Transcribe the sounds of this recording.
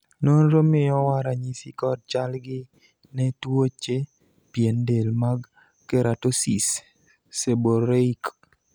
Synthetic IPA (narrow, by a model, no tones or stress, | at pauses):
nonɾomɪjɔwaɾaɲisikɔd̚t͡ʃalɡɪ | nɛtwot͡ʃe | piendelmaɡ | keɾatosisː | eboɾeik